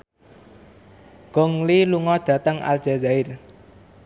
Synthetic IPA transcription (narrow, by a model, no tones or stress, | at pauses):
ɡ̥ɔŋliluŋɔd̪̥ä̤t̪əŋa̰l̥ʒ̥azaɪr